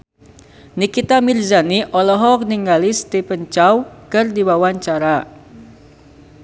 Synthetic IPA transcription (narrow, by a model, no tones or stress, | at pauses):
nikit̪amirzaniʔɔlɔɦɔk̚niŋɡalist̪epənt͡ʃawkɨrdiwawaɲt͡ʃaɾa